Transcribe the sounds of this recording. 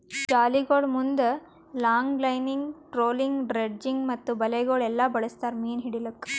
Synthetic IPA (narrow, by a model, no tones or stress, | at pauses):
t͡ʃaːliɡoɭmund̪ɐ | laːŋɡlɐjniŋɡʈɾoːliŋɡɖɾed͡ʒiŋɡmɐt̪ːubɐlɛɡoɭɛlːɐbɐɭɐst̪aːɾmiːnɦiɽilɐkː